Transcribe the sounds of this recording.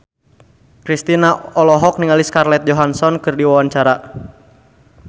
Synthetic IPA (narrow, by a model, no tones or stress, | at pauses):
kɾist̪inaɔlɔɦɔk̚niŋaliskarlɛt̪̚d͡ʒɔɦansɔnkɨrdiwawaɲt͡ʃaɾa